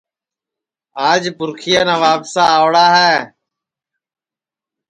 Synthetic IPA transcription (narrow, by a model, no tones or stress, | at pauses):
aːd͡ʒpʊɾkʰɪjaːnãːʋaːpsaːʋɽaːɦɛː